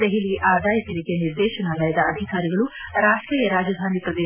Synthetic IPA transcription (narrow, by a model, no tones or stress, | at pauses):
d̪eɦiliiʔaːd̪aːjət̪ɐɾiːkeːnɪɾd̪eːʃənaːlaːjd̪aɐd̪ʱisaːɾiɡəɭuːɾaːʂʈɾiːəɾaːd͡ʒəd̪ʱaːniːpɾɐd̪eː